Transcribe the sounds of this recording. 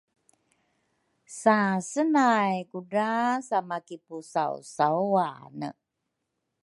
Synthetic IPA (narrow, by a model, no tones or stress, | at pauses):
sasənajkuɖasamakipusaṵsauanə̰